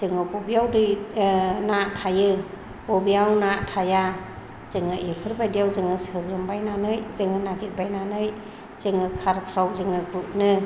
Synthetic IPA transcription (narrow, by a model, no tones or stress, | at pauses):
zɯŋɯbɔbijawdɯ | natʰajɯ | bɔbijawnatʰaja | z̥ɯŋɯʔekʰɯɾbajdijawzɯŋɯsɯɾɾɯmbajnanɯjzɯŋɯnaɡit̚bajnanɯj | z̥ɯŋɯkʰaɾpʰɾawzɯŋɯɡɾup̚nɯ